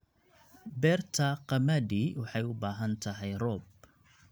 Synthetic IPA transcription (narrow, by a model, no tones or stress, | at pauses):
bɛrt̪ʰɐqɑmɐd̪iwɑħɑjʊbaːɦɐnt̪ʰɐɦɛjrɔːb̚